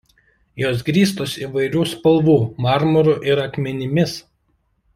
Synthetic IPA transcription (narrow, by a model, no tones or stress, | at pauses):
joːs̬ɡɾʲiːs̬t̪oːsiʋɐɪɾʲuːspɐlˠʋuːmɑˑɾmɔɾuʔɪɾɐkmʲɛnʲɪmʲɪs